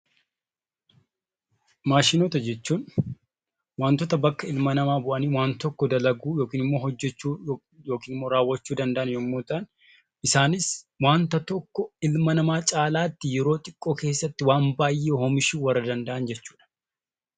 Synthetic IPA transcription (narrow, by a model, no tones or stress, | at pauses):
maːʃɪnoːt̪ɐd͡ʒɛt͡ʃːuːn | waːnt̪ɔt̪ɐbɐkːɐɪlmɐnɐmaːbʊʔɐniːwaːnt̪ɔkːɔd̪ɐlɐɡuːjoːkiːnɪmːo̞ːɦɔd͡ʒːɛt͡ʃːuː | jo̞ːkiːnɪmːo̞ːɾaːwːɐt͡ʃːuːd̪ɐnd̪ɐʔɐnjɔmːoːt̪ɐn | ʔɪsaːnɪs | waːnt̪ɐt̪ɔkːɔɪlmɐnɐmaːt͡ʃʼaːlaːt̪ːɪjɛɾo̞ːt̪ʼɪkʼːoːke̞ːsːɐt̪ːɪwaːmbaːjːehɔmɪʃuːwɐrːɐd̪ɐnd̪ɐʔɐnd͡ʒɛt͡ʃːuːᶑɐ̥